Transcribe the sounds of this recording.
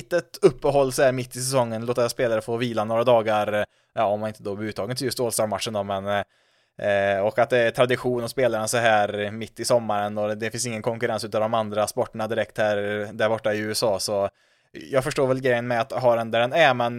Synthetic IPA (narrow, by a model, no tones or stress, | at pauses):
t̪ət̪ɵpːəɦɔlːsɔhæːɾmɪt̪ːɪsɛsɔŋːənloːt̪aspeːlaɾəfoːviːlanoːɾad̪ɑːɡaɾ | jɑːɔmːanɪnt̪əd̪obʉ̟ːt̪ʰːɑːɡənʰɪljɵst̪oːlst̪ɑːɖmat̪ʂənd̪ɔmɛn | ɔkat̪̚d̪ɛæʈ̪ʰɾad̪ɪɧuːnɔspeːlaɾənsɔɦæːɾmɪt̪ːɪsɔmːaɾənɔd̪ɛfɪnsɪŋːənkʰɔŋkɵɾɛnsʉːt̪avd̪ɔmand̪ɾaspɔʈːəɳad̪ɪɾɛk̚t̪hæːɾd̪æɾbɔʈːaɪʉ̟ːɛsɑːsɔ | jɑːɡfœʂʈoːɾvɛlɡɾɛjːənmɛat̪ɦɑɾɛnd̪æɖɛnæmɛn